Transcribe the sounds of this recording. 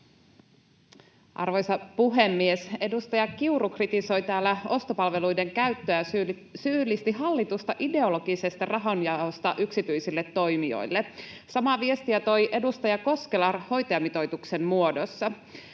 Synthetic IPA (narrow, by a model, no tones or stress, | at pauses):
ʔɑ̰rʋo̞jsɑpuɦe̞mːiese̞dust̪ɑjɑkiurukrit̪iso̞jt̪æːlːæo̞st̪opɑlʋe̞lujde̞ŋkæɥt̪ːøæ | syːlːist̪iɦɑlːit̪ust̪ɑʔide̞o̞lo̞ɡ̥ise̞st̪ɑrɑɦonjɑost̪ɑʔyksit̪yjsilːet̪ːo̞jmio̞̰jlːe | sɑmɑʋie̞st̪iæt̪o̞jʔe̞dust̪ɑjɑko̞ske̞lɑho̞jt̪oɑmit̪o̞jt̪ukse̞nmuo̞dosːɑ